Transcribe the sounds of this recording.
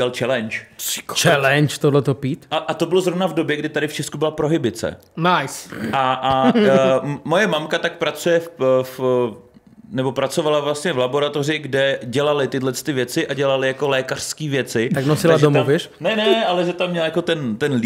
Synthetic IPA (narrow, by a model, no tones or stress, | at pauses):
ɛalt͡ʃɛlɛnt͡ʃkt͡ʃɛlɛnt͡ʃt̪odlɛt̪opiːt̪ʔaʔat̪o̞bɪlozɾo̞vnavdo̞bjɛɡdɪt̪adɪft͡ʃɛskubɪlapɾo̞ɦɪbɪt͡sɛ̰ | najsʔa | mo̞jɛmamkat̪ak̚pɾat͡sujɛff | nɛbo̞pɾat͡so̞valavlast̪ɲɛvlabo̞ɾat̪o̞rɪɡdɛɟɛlalɪt̪ɪdlɛt͡sst̪ɪvjɛt͡sɪʔaɟɛlalɪjako̞lɛːkar̥skiːvjɛt͡sɪt̪aknosɪlaʒdomovɪr | nɛnɛʔalɛʒɛt̪amːɲɛlajako̞t̪ɛnt̪ɛnl